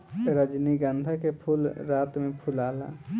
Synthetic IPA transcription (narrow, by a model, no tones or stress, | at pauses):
ɾəd͡ʒniɡənd̪ʱakepʰulɾaːt̪mẽpʰʊlaːla̰ː